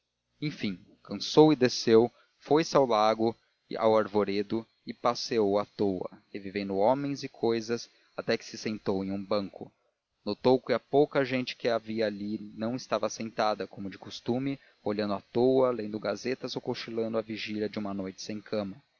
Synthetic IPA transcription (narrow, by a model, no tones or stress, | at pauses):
ẽj̃fĩ | kɐ̃sowɪd̪esew | fojsɪawlaɡʊ | a̰waɾvoɾed̪ʊ | ɪpaseowat̪owɐ̰hevivẽnd̪ʊõmẽj̃zɪkʰojzɐs | at̪ɛkɪ̥sɪsẽnt̪owẽj̃ũbɐ̃ŋkʊ | not̪owkɪɐpowkɐʒẽnt͡ʃɪ̥kɪaviɐaʎinɐ̃w̃ɪst̪avɐsẽnt̪ad̪ɐkõmʊd͡ʒɪkust̪ũmɪ | oʎɐ̃nd̪ʊat̪owɐlẽnd̪ʊɡazet̪ɐzowkoʃilɐ̃nd̪ʊɐviʒiʎɐd͡ʒɪũmɐnojt͡ʃɪ̥sẽj̃kʰɐ̃mɐ